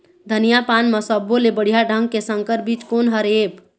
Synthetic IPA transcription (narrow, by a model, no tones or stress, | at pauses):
d̪ʱənijapanməsəbːolebəɽ̤ijaɖʱəŋɡ̚kesə̃ŋkəɾbit͡ʃkonɦəɾeb